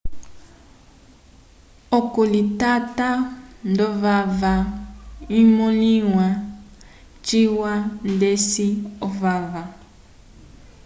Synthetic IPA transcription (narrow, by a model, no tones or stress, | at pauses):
okolitatandɔvava | imoliwa | t͡ʃiwandesiɔvava